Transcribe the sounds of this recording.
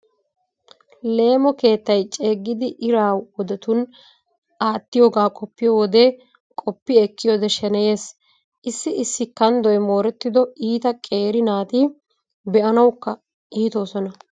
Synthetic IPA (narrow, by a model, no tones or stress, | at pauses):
le̞ːmɔke̞ːt̪ːɐjt͡ʃʼe̞ːɡːɪd̪ɪʔɪɾaːwwɔd̪ɛt̪ʊn | aːt̪ːɪjo̞ːɡaːkʼɔpːɪjowɔd̪e | kʼɔpːɪɛkːɪjoːd̪ɛʃɛnɛje̞ːs | ʔɪsːɪɪsːɪkːɐnd̪ɔjmo̞ːɾɛt̪ːɪd̪ɔiːt̪ɐkʼe̞ːɾɪnaːt̪i | bɛʔɐnɐwkːɐ | ʔiːt̪o̞ːsɔnɐ